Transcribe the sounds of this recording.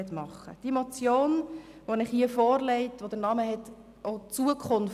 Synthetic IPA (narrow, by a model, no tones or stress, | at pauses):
ɛtmɑχːə̰d̥imɔt͡sjoːnʋonɪχhiəfɔːɾlɛɪtʋod̪əɾnɑməɦɛt | ot͡suəkʰχʊnf